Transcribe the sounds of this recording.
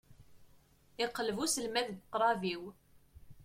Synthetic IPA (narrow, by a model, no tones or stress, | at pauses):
ɪqːələvusəlmæðdqːɾˤɑviw